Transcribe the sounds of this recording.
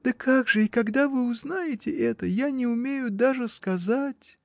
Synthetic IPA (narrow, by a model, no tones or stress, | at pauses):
d̪̥əkʰaɡʐɨikɐɡd̪avɨʊznajɪtʲɪʔɛt̪əjanʲɪʊmʲejʊd̪aʐɨskɐzatʲ